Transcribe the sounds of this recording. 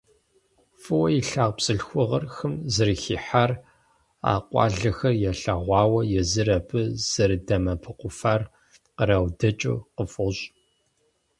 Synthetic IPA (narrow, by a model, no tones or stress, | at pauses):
fɨwɐjiɬaːʁpsʼɨɬxʷʊʁɐrxɨmzɨrɨxiːħar | a̰ːqʷʼɑ̰ːɮɨxɐrjɛɬɐʁʷɑːwɐjɛzɨrɐpʰɨz̥ɐrdɐmɐpʰɨqʷʊfar | qəɾawdɐt͡ʃʼṵqəfʼʊɕʼ